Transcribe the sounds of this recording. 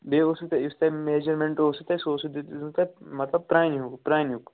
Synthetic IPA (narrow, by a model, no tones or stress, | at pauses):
beːoːsɐk̚t̪aɪst̪ameːd͡ʒəɾmẽɳʈoːsɐk̚t̪asoːsd̪ekt̪amɐt̪lɐb̚pɾaːjnjukpɾaːjnjuk